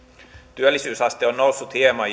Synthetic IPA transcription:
t̪yælːisyːsɑst̪eonːnousːut̪ʰeːmɑ

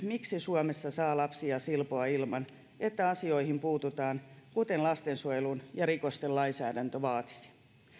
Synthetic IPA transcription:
miksisuomesːɑsɑːlɑpsiɑsilpoɑilmɑn | et̪ːæɑsio̞ihimpuːt̪ut̪ɑːnkut̪enlɑst̪ensuojelunjɑɾikost̪ellɑinsæːdænt̪øʋɑːt̪i̥si̥

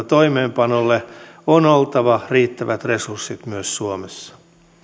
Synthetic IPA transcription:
t̪oimeːmpɑnolːeonolt̪ɑʋɑriːt̪ːæʋæt̪resursːit̪myøssuomesːɑ̥

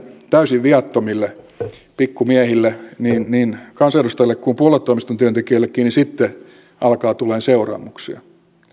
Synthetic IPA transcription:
t̪æysiʋʋiɑt̪ːomilːe | pikːumiæhilːeniːnniːnkɑnsɑedust̪ɑjilːekkumpuolet̪ːoimist̪ont̪yønt̪ekiølːekkːiːnisit̪ːe | ɑlkɑːt̪ulːˑeːnseurɑ̰ːmuksḭɑ̰

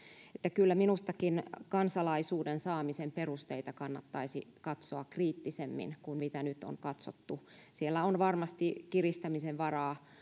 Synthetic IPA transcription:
et̪ːækylːæminust̪ɑkinkɑnsɑlɑisuːdensɑːmisemperust̪eit̪ɑkɑnːɑt̪ːɑisikɑt̪soɑkriːt̪ːisemːḭnkunmit̪ænyt̪o̰ŋkɑt̪so̰t̪ːusielːæonʋɑrmɑst̪ikirist̪ɑmiseʋʋɑrɑː

